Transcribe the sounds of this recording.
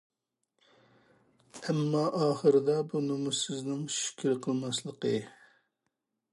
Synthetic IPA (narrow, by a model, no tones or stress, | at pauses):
ɛmːɑʔɑːχəɾɨd̪ɑbunɨmusɪznɪŋʃy̥kʲʰiɾqʰəlˠmɑslˠəqə